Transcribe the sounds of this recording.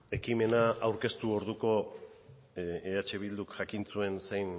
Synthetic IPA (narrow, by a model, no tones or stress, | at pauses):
e̞kime̞naːwɾke̞st̪uo̞ɾðuko̞ | eat͡ʃe̞β̞ild̪ukʝakint͡sue̞nsejn